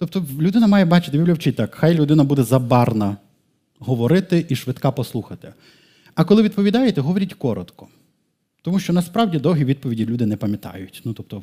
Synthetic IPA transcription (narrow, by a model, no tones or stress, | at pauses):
t̪ɔp̚t̪ɔlʲʊd̪ɪnɐmɑjɛbɑt͡ʃɪ̥t̪ɪbʲiwlʲɐwt͡ʃɪt̪ɑkxɑjlʲʊd̪ɪnɐbud̪ɛzɐbɑrnɐ | ɦɔʋɔɾɪt̪ɪʔiʃʋɪt̪kɑpɔslˠuxɐt̪ɪ̥ | ɐkɔlˠɪʋʲid̪pɔʋʲid̪ɑjet̪ɛɦɔʋɔɾʲitʲkɔɾɔt̪kɔ̥ | t̪ɔmuʃt͡ʃɔnɐspɾɑwdʲid̪ɔwɦʲiʋʲid̪̚pɔʋʲidʲilʲud̪ɪnɛpɐmʲjɐt̪ɑ̰jʊtʲnut̪ɔp̚t̪ɔ